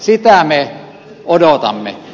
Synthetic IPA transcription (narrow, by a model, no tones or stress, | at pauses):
sit̪æme | odot̪ɑ̰mːḛ